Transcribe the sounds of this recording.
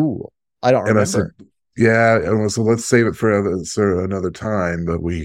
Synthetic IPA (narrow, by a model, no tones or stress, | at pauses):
ulˠ | ʔaɪɾõʊ̃ɨ̃naɪsɛd̚ | jæɨ̰̃nwɛsoʊlətseɪvɨtfə˞ʌðəə˞ɨnʌðə˞tʰãɪ̃mðə̰ʔ̚wi